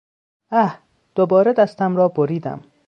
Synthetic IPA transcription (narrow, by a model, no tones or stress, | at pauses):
æh | d̪̥obɒːɾed̪æst̪æmɾɒːboɾiːd̪æ̰m